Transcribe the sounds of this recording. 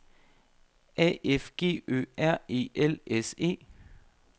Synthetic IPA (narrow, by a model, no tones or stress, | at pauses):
ɛ̰ːʔefɡ̥e̝̰ːø̰ːæɐ̰e̝̰ːʔelese̝̰ː